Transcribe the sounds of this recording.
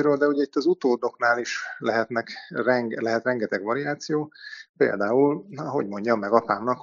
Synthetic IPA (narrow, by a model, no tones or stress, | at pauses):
iɾøːld̪ɛuɟɛit̪ːɒzut̪oːd̪o̞knaːliʃlɛɦɛt̪nɛkrɛŋɡlɛɦɛt̪rɛŋɡɛt̪ɛɡʋɒɾijaːt̪sijoːpḛːld̪aːulɒɦo̞ɟmo̞ɲɟɒmːɛɡɒpaːmnɒk